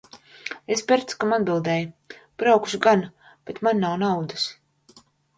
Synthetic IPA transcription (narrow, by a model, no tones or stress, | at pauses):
espʲɛɾt̪skamad̪̚bilˠd̪ɛːjub̥ɾawku̥ʃɡan | b̥et̪manːawnawd̪as